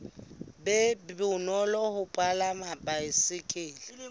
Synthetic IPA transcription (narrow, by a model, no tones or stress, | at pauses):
bɛbbɪnɔlɔhʊpʼalamabʼaɪsɪkʼɪːlɪ